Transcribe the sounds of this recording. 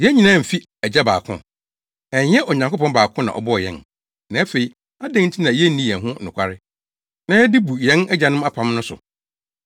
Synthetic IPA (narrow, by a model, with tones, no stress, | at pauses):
jɛ˦ɲĩ˨nãː˦m̩˨fi˦ | æ˨d͡ʑɛ˦ba̰ː˨kʰʊ̰̃˦ | ɛ˨jɛ˦ʔɔ˨ɲã˨ŋko˦pɔ̃˦baː˨kʰʊ̃˦nã̰˨ʔɔ̰˨bɔ˦ɔ˨jɛ̰̃˦n | nã˨˦æ˦fe˨i˨ | a˦dɛ̃˦ŋn̩˦tʰi˦nã˨jɛ˦nĩ˦jɛ̃˨ɦʊ̃˦nʊ̃˨kʷʰa˦ɾɪ˦ | nã˦ɛ˦di˦bu˨jɛ̃˦nɛ˦d͡ʑa˨˦nʊ̃˦ma˦pʰã˨˦mnʊ̃˦sʊ̰˨